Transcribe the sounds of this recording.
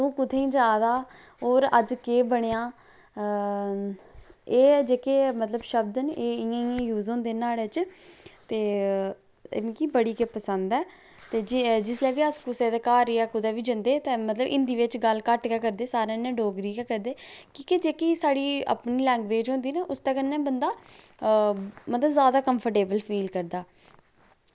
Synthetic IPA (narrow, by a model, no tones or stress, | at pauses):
t̪õːkʊd̪ʰẽːĩːd͡ʒaːd̪aː | ɦoːɾəd͡ʒkeːbəɳ̃eãː | eːd͡ʒeːkeːmət̪ləbʃəbd̪nʔeːɪjãɪ̃ãːjuːzõːnd̪eːnaːlet͡ʃt̪eː | ɪ̰nkiːbəɽiːkeːpəsənd̪ɛː | t̪eːd͡ʒɪd͡ʒɪslɛːʋiːəskʊseːd̪aːkaːɾiːɛːkʊd̪aːʋiːd͡ʒənd̪eːt̪ẽmət̪ləbɪ̰nd̪iːʋɪt͡ʃɡəlkəʈkɛːkəɾd̪eːsaːɾẽːnɛ̃ːɖoːɡɾiːkɛːkəɾd̪eːkiːkɪd͡ʒeːkiːsaːɽiːə̰pniːlɛ̃ːŋɡʋeːd͡ʒɦõːnd̪iːneʔʊst̪ɛːkənːɛ̃ːbənd̪aː | mət̪ləbzaːd̪aːkəmpʰəʈeːbəlpʰiːlkəɾd̪aː